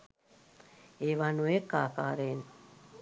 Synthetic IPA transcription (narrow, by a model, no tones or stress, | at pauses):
eʋanuekːa̰ːka̰ːɾen